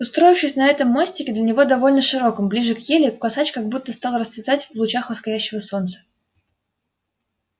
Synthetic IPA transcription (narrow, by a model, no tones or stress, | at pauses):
ʊst̪ɾo̞jɪfʂɪjsʲnɐɛt̪əmːosʲtʲɪkʲɪd̪lʲənʲɪvo̞d̪ɐvo̞lʲnəʂɨɾo̞kəmblʲiʐɨkjelʲɪkɐsat͡ɕkaɡ̚but̪ːəst̪ɑlˠrəsvʲɪt̪atʲvlˠʊt͡ɕaxvəskɐjʲæɕːɪvəso̞nt̪sə̥